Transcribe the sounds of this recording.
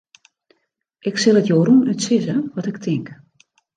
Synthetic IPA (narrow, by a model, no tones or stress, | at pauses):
ʔɪksɪlˠətjoːɾunytsɪzəʋɔtɪk̚tʰɪŋk